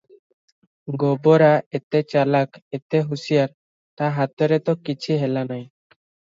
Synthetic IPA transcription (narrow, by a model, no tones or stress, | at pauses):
ɡɔbɔɾaet̪ɛt͡ʃalaket̪eɦusijaɾ | t̪aɦat̪ɔɾɛt̪ɔkit͡ʃʰiɦɛlanaj